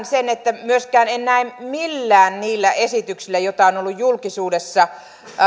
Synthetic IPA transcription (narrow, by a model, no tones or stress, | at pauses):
nsenet̪ːæmyøskæːnennæimmilːæːnniːlːæʔesit̪yksilːæjot̪ːɑonolːujjulkisuːdesːɑ